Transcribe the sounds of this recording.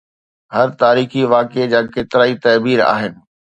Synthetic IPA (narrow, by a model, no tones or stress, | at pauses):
ɦɐɾt̪aːɾiːxiʋaːked͡ʑaːkeːt̪ɪɾaːit̪ɐːbiːɾa̰ːɦɪnɪ̆